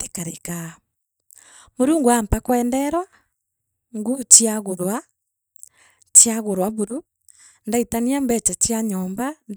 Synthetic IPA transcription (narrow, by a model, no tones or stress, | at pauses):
tekaɾeka | moɾuːŋɡuampakwɛːndɛɾwa | ŋɡut͡ʃiaɣoɾwa | t͡ʃjaɣoɾwaβuɾu | ndaitaniambɛt͡ʃat͡ʃiaɲɔːmband